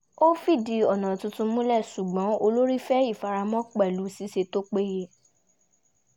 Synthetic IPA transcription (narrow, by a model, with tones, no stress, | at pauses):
o˦fi˦˨di˨˦ɔ˨nã˨tũ˧tũ˧mũ˦lɛ˦˨ʃu˨ɡ͡bɔ̃˨˦o˧lo˦ɾi˦fɛ˦i˦˨fa˧ɾa˧mɔ̃˦k͡pɛ˦˨lu˨˦si˨˦ʃe˧to˦k͡pe˦je˦˨